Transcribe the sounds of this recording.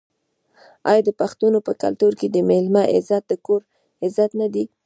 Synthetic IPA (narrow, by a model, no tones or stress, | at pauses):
ɑjɑd̪əpaxt̪unopəka̰lt̪uɾked̪əmelmaʔɪ̰zat̪̚d̪əkoɾ | ɪzat̪nad̪i